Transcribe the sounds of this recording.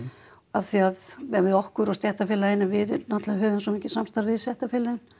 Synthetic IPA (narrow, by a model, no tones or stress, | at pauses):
aθiaðɛvɪðɔhkʏɾɔst̪jɛht̪afɪlaɪnːavɪðnat̪laɦœːvʏms̬ɔmiːcːɪsamst̪aɾvɪðsjɛht̪afɪlɪʏn